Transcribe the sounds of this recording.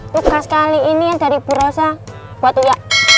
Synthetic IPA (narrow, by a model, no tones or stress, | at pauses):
t̪uɡaskaliːnijand̥a̤ɾib̥ṳɾɔsa | wat̪ːujaʔ